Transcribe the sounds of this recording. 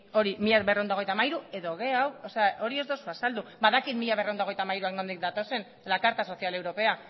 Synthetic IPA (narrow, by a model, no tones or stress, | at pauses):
o̞ɾimiʎaβereo̞nd̪a̞ejt̪amajɾue̞ðoɣ̞e̞awoseaʔo̞ɾie̞zðosuasald̪ubaðakiðmiʎaβe̞reond̪o̞ejt̪amajɾuaknond̪ik̚d̪at̪o̞se̞n | lakaɾt̪aso̞θialewɾo̞pe̞a